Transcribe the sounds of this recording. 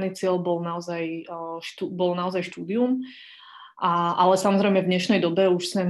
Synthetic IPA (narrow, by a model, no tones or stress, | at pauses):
niːt͡sɪɛlbɔlnaɔzajʃt̪ubɔlnaɔzajʃt̪uːd̪ium | aʔalɛsamɔzɾɛjmɛvd̪ɲɛʃnɛjd̪ɔbɛuʃsmɛ